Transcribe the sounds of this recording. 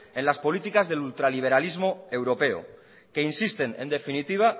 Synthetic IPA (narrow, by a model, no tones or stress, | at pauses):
e̞nlaspo̞lit̪ikazðe̞lult̪ɾaliβ̞e̞ɾalizmo̞e̞wɾo̞pe̞o̰ | ke̞insist̪e̞nḛnd̪e̞finit̪iβ̞a